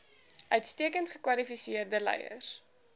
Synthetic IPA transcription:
ʔœɥtstiəkəntχəkwɐlifisiərdəlɛ̰jə̰r

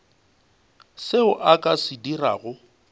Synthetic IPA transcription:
seʊʔakʼasɪdira̰ːɣʊ

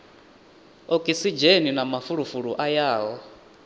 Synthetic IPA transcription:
ɔkʼisid͡ʒeninamafuɺufuɺuʔajaːɦɔ

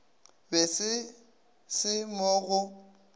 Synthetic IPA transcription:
bɛsɪ | sɪmoɣʊ

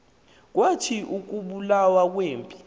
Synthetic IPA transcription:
k̬watʰiʔuk̬uɓulawak̬weːmpʼi

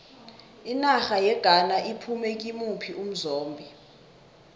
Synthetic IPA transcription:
inaxajɛɡ̥ʱanaʔipʰumɛk̬ʼimupʰiʔum̩zoːmbʱi

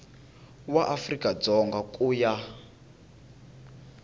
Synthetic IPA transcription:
waʔafrikʼad͡zɔŋɡakʼuja

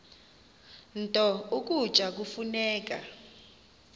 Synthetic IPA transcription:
ntʼɔuk̬ʼud̥t͡ʃʼak̬ufunɛːk̬ʼa

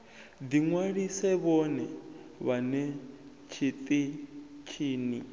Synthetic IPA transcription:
d̪iŋwaɺisɛβɔnɛβanɛ | t͡ʃʰit̪ʼit͡ʃʰiːni

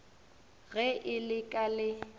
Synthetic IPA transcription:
ɣɛʔɪlɪkʼalɪ

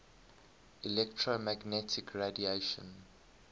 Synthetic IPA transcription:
ilɛktʰɹomæɡnɛtʰɪkʰɹedieʃə̰̃n

